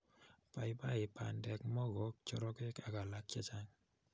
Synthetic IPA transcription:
pa˨i˦pa˦ɪ˨pa˨ndɛ˨kmɔ˦ɣɔ˨˦k̚t͡ʃɔ˦ɾɔ˦ke˦ka˨ka˨lak̚t͡ʃa˦t͡ʃaŋ

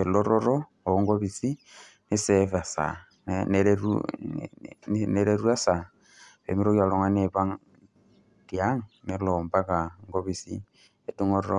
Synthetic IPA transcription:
e˨lo˦ɾo˦ɾo˦ | o˨ŋɡo˦βi˨si˦ | ne˦sefa˨sa̰˨ | nne˨ɾeɾṵ | ne˨ɾeɾu˦a˦sa˨ | βḛ˨mi˦ɾo˦kja˨lo˨ŋa˦ne˨βa˦ŋ | dja˦ŋne˨lomba˦ka˨ŋɡo˦βi˨sḭ˦ | e˨du˦ŋoɾɾo

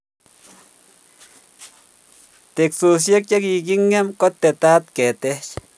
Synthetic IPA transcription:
t̪e˨ksu˨s̬je˦kja˦ki˧ɡi˦ŋe˦mko˦t̪e˨t̪a˦t̪ke˨t̪e˦t͡ʃ

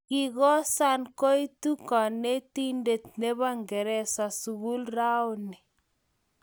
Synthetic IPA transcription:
ki˨ɣɔ˦sa˦nko˦i˦tu˦ka˨ne˦ti˦nde˨t̪̚ne˦βa˦ŋɡɛ˨ɾɛ˦sa˨su˨ɣu˦lra˦o˦ni˨

